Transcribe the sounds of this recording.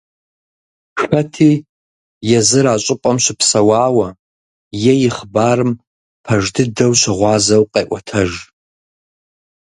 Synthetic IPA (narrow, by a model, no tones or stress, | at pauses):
ʂɐtʰi | jɛzɨɾat͡ʃʷʼɪpʼɐmʃʷɪpʰsɐwaːwɐ | jɛjɪχbaːrɨm | pʰɐʐdɨdɐwʃʷɪʁʷɑːzɐwqʼejʔʷɐtʰɐʒ